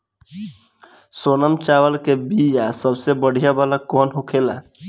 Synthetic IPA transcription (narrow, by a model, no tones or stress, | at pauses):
soːnəmt͡ʃaːwəlkebijasəbsebəɽ̤ijabalakɔːnɦokʰela̰